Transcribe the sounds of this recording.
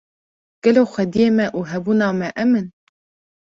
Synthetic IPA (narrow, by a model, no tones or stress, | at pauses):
ɡ̥ɛloːxʷɛd̪ijeːmɛʔuːɦɛbuːnɑːmɛʔɛmɨn